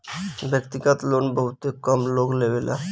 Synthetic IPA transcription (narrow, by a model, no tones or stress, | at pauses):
bekt̪ikat̪lonbɔɦut̪ekɔmloɡlebela̰